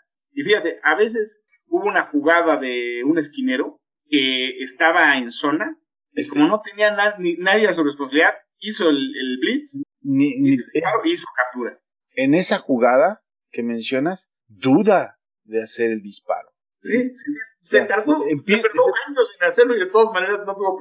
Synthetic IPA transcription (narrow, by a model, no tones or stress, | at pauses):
ifixat̪e̞ʔaβe̞s̬e̞s | uβounaxuɣaðaðe̞une̞skine̞ɾo̞ | ke̞ːst̪aβaenso̞na | ikomo̞no̞t̪enianaðninaðjes̬ures̬ponsaβiliðað | iso̞elelblit̪s | niniipaɾoiisokap̚t̪uɾa̰ | e̞ne̞saxuɣaða | ke̞mẽ̞nsjo̞nas | ðuða | ðease̞ɾeld̪ispa̰ɾo̞ | sisisioset̪aoemepeɾðoxent̪osĩnaseɾloiðe̞t̪o̞ðazmane̞ɾaznopeðo